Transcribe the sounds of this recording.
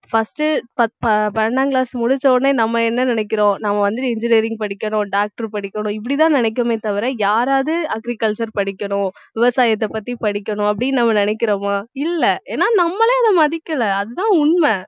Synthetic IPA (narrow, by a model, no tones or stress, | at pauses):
fɐsʈɯpɐpɐpɐɾɐɳaːŋɡlaːsmʊɽʊt͡ʃːoːneːnɐmːɐɛnːɐnɪnɛk̬ːɪɾõːnɐmːɐʋɐnd̪ɯɪnd͡ʒɪniːɾɪ̃ŋɡ̚pɐɽɪkːɐɳʊ̃ːɖaːk̚ʈɐɾpɐɽɪkʲːɐnʊ̃ɪp̬ːɐɽit̪ãːnɪnɛk̬ːɐmeːt̪ɐʋɪɾɐjaːɾaːðɯɐɡɾikɐlt͡ʃɐɾpɐɽɪkːɐɳʊ̃ʋɪʋɐsaːjɐt̪ːɛpːɐt̪ːipɐɽɪkːɐɳʊ̃ɐp̬ːɐɽɪnɐmːɐnɪnɛkːɪɾomaːɪlːɛʔeːnːaːnɐmːɐlẽɐðɐmɐðɪkːɐɭɐɐðɯt̪ãːʊɳmɛ